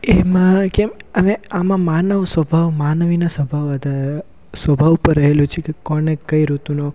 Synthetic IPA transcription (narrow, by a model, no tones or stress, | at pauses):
emãkeməmeamãmanəʋsʋəbʱaʋmanʋinasəbʱaʋəd̪ʱa | sʋəbʱaʋupəɾːəɦelut͡ʃʰiekekɔnekəiɾut̪uno